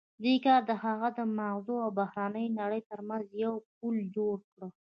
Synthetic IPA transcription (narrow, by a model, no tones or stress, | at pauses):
d̪ekɑɾd̪əhaɣad̪əmaɣzoawbahɾɑnəjnaɽəjt̪əɾmanzjawp̚uld͡ʒoɽkɽə